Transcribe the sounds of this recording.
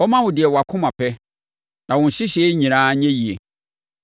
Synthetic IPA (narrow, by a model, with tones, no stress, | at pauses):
ɔ˦mã˦wʊ̃˨dɪ˨ɛ˨wa˨kʰʊ̃˦mã˨pʰɛ˦ | nã˨wɔ̃˨n̩˨ɕɪ˦ɕɛ˨˦ɲĩ˨nãː˦ɲɛ̃˦ji˨e˨